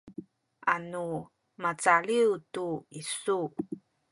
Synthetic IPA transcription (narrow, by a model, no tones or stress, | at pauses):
ʔanu | mat͡saɭiwtuisu